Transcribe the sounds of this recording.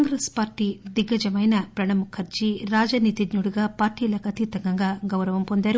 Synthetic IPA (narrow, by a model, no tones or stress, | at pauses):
ŋɡɾespaːɾʈid̪iɡɐd͡ʒɐmɐjnɐpɾɐɳɐmukʰɐɾd͡ʒiɾaːd͡ʒɐnit̪id̪ɲuɽuɡɐpaːɾʈiːlɐkɐt̪it̪ɐŋɡɐŋɡaːɡɐwɾɐʋɐmpond̪jaːɾu